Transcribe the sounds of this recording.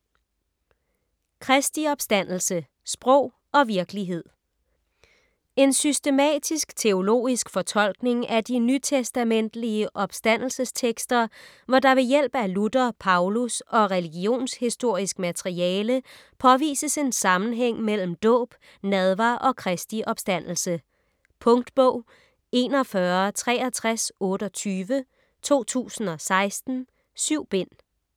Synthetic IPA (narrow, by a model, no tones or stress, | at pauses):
kʰʁɛsd̥iɒ̽b̥sd̥æn̰l̩sə | sb̥ʁɔʊ̰ | ɒ̽ʋiɐɡ̥əliɦe̝ð̰ˠ | e̝nsysd̥e̝mɛ̰ːd̥isɡ̥t͡sʰe̝o̝lo̝̰ːisɡ̥fɒ̽t͡sʰɒ̽l̰ɡ̥ne̝ŋæd̥inyt͡sʰesd̥æmen̰d̥liəʔɒ̽b̥sd̥æn̰l̩səst͡sʰeɡ̥sd̥ɐ | ʋɒd̥ɑ̈ʋe̝jel̰b̥əælud̥ɐpʰɑ̈ʊlusɒ̽ʁɛliɡ̥io̝̰ːnshisd̥o̝ɐ̰isɡ̥mæt͡sʰeʁiɛːlə | pʰɒ̽ʋḭːsəse̝nsɑ̈mn̩ɦeŋ̰mel̰m̩d̥ɔ̰̽ːb̥ | nɛð̞ˠʋɑ̈ːʔɒ̽kʰʁɛsd̥iʔɒ̽b̥sd̥æn̰l̩sə | pʰɔ̽ŋd̥b̥ɔ̽ʊ̰ | e̝ːnɒ̽fɶɐt͡sʰʁɛ̰ːɐt͡sʰʁasɔ̽ːɾ̥əɒ̽t͡sʰyːʋə | t͡sʰo̝̰ːt͡sʰṵːsn̩ɒ̽sɑ̈ɪsd̥n̩ | syʊ̰b̥e̝n̰